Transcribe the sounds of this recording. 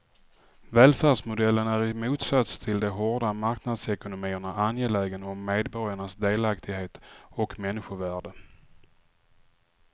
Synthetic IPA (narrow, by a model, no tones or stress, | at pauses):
vɛːlfæːɖʂmʊd̪ɛlːənæɾɪmuːt̪sat̪st̪ʰɪld̪ɛɦɔɖamaɾknad̪sɛkʊnʊmiːəɳaʔanjeːlɛːɡənɔmːeːd̪bɔɾjaɳasd̪eːlakt̪ʰɪɡheːt̪ɔkmɛnːɪɧʊvæːɖə